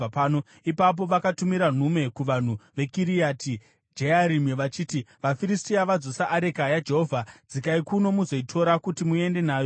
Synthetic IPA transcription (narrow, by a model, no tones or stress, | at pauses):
paːno | ipap̬o̞ʋakatumiɾan̤ume̞kuʋan̤uʋe̞kiɾiati | d͡ʒeaɾimiʋat͡ʃiːtiʋafiɾistiaʋad͡zosaʔːɾe̞kajad͡ʒe̞ɦovʱad͡zikaikuno̞muzo̞itʰo̞ɾakutimue̞nde̞naːjo